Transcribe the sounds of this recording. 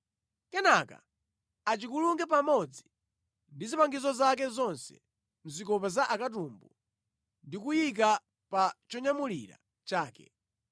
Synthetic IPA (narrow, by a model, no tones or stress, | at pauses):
kɛnaka̰ | at͡ʃikuluŋɡɛp̬amɔd͡zi | ndizipaŋɡizɔzak̬ɛzɔnsɛ̰ | m̩zikɔpazaʔakat̬umbu | ndikujik̬a | pat͡ʃɔɲamuliɾa̰ | t͡ʃaːkɛ̰